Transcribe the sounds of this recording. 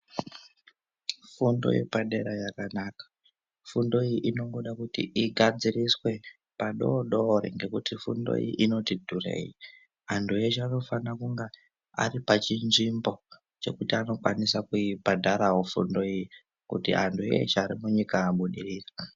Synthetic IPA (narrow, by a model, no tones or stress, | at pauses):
fundo̞̰ḭpaɗe̞ɾajakanaːkḁ | fundo̞ijiʔino̞ŋɡo̞ɗakutḭʔiɡʱad͡ziriswe̞ | paɗo̞ɗo̞ɾḛŋɡe̞kutifṵndo̞̰ḭʔino̞tidʱure̞̰ji | antʰujet͡ʃano̞fanakuŋɡe | a̰ripat͡ʃinʐimbo̞ | t͡ʃe̞̰kutiano̞kwanisakuibʱadʱaɾawofṵndo̞iji | kṵtḭantʰuḛt͡ʃaɾimuɲikaːɓuɗiriːra